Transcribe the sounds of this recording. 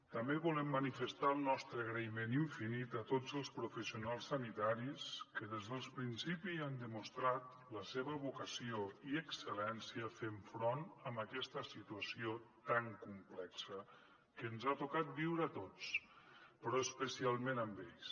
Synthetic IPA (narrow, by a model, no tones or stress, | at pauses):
t̪əmbeβulɛmːənifəst̪alˠnɔst̪ɾəːɣɾəimeniɱfinit̪ət̪od͡zəlˠspɾufəsiunalˠsːənit̪aɾiskəðezðəlˠspɾinsipiand̪əmust̪ɾat̪ | ləseβəβukəsioiəksəlɛnsiəfeɱfɾonəmbəkɛst̪əsit̪uəsiot̪aŋkumplɛksə | kəːnzat̪ukat̪̚biwɾəːt̪ot͡s | pɾɔəspəsialˠmenəmbeʎs